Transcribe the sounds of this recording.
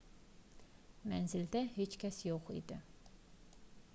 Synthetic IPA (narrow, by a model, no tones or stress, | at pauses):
mænzild̪æhet͡ʃkcʰʲæsjoχḭd̪i